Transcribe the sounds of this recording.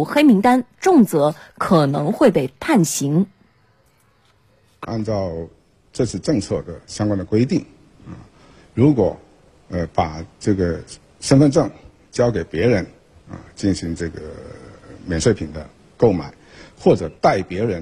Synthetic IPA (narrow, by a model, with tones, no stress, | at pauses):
xe˥ɪmi˧˥ŋt̪a˥nʈ͡ʂʊ˥˩ŋt͡sɤ˧˥kʰɤ˨˩nɤ˧˥ŋxwe˥˧ɪpe˥˩ɪpʰa˥˩nɕi˧˥ŋ | ʔa̰˥˧nʈ͡ʂɑ˥˧ʊ | ʈ͡ʂə˥˧t͡sʰɹ̩˥˧ʈ͡ʂɤ˥˧ŋt͡sʰɤ˥˩d̪ə˩ɕjɑ˥ŋkwa˥nd̪ə˨kwe˥ɪt̪i˥˩ŋ | ɐ˧˩ | ɻu˧˥kwɔ˨˧˩ | ə˧pa˨˩ʈ͡ʂɤ˥˩ɡə˩ | ʂə˥nfə˥˧nʈ͡ʂɤ˥˩ŋ | t͡ɕjɑ˥ʊke˨˩ɪpjɛ˧˥ɻə˧˥n | ɐ̰˧t͡ɕi˥˩nɕi˧˥ŋʈ͡ʂɤ˥˩ɡə̰˩ | mjɛ˨˩nʂwe˥˩ɪpʰi˨˩nd̪ə̰˦ | ko˥˩ʊma˨˩˦ɪxwɔ˥˩ʈ͡ʂɤ˨˩t̪a˥˩ɪpjɛ˧˥ɻə˧˥n